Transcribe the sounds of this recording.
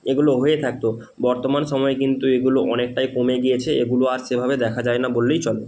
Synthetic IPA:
eɡuloɦoet̪ʰak̚t̪o | bɔɾt̪omanʃɔmɔekint̪ueɡuloʔɔnek̚ʈajkomeɡiet͡ɕʰeeɡuloaɾʃebʱabed̪ɛkʰad͡ʑaenabolːejt͡ɕɔle

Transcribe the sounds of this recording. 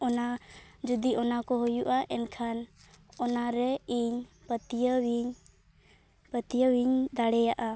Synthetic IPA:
ɔnad͡ʒud̪iʔɔnakɔɦɔjuʔaʔɛnkʰan | ɔnaɾɛiɲ | pət̪ijəwiɲ | pət̪ijəwiɲd̪aɽɛjaʔa

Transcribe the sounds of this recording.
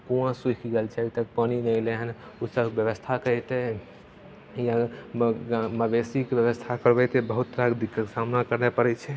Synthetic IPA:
kuãsukʰɡelt͡ʃʰɛɛt̪əkpəninɛjleɦənusəbʱkbjəʋəst̪ʰakəjt̪ɛ | jã | ɡməbesikebjəβəst̪ʰakəɾbɛt̪ɛbəɦut̪ːɾakd̪ikːəksamnakəɾnepəɾɛt͡ʃʰɛ

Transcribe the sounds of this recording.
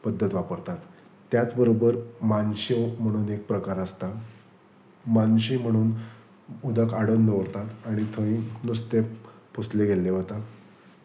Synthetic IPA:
pəd̪ʱːət̪ʋapəɾt̪at̪ː | jat͡sbəɾobəɾmanɕim̤əɽ̃uːnek̚pɾəkaɾəst̪a | manɕim̤əɽ̃uːn | ud̪ʱəkaɽənd̪ʱəʋɾt̪at̪aɽ̃it̪ʰə̃ĩnust̪e | pusleɡelːeɦət̪a

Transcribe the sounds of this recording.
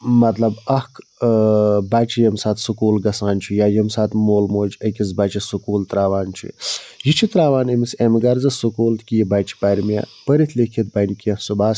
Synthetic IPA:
mɐt̪lɐbɐhk | baːt͡ʃʰijɐmsaːt̪sukuːlɡɐsaːnt͡ʃʰujaːjɐmsaːt̪moːlmoːd͡ʒɐkʲizbaːt͡ʃʰisukuːlt̪ɾaːʋaːnt͡ʃʰṵjit͡ʃʰit̪ɾaːʋaːnɐmisemɡɐɾzɐsukuːlt̪kʲijibaːt͡ʃʰi̥paːɾʲmʲja̰pɐɾit̪ʰlekʰit̪̚bɐnʲkʲiɐsubaːs

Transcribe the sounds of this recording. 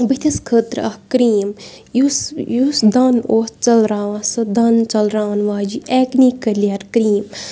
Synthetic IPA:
bit̪ʰiskʰəːt̪ɾɐhkɾiːm | jusjusd̪ɐnoːst͡ʃɐlɾaːsɨd̪ɐnt͡ʃɐlɾaːnʋaːd͡ʒiʔɛːkniːkɐliɐɾkɾiːm

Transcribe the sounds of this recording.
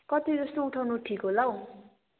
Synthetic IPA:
kʌt̪id͡zʌsnouʈʰawnoʈʰikolaw̃

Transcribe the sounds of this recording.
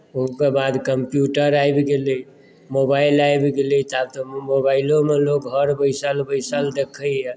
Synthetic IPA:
uɦkebad̪kəmpjuʈəɾajbɡeli | mobailajbɡelit̪ab̚t̪ɔmobaɪlõmelokɦəɾbəɪsəlbəɪsəld̪ekʰəɛ

